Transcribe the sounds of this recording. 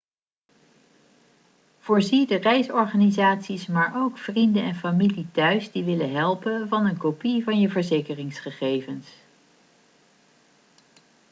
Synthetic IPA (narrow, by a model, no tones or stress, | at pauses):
v̥ʊːɹzidərɛjsɔɹχaːnizaːtsismaːɹʔowkfrindənɛnfamilitœɥsdiʋɪləɦɛlˠpənvɑnənkopivɑnjəvəɹzejkərɪŋsχəχejvəns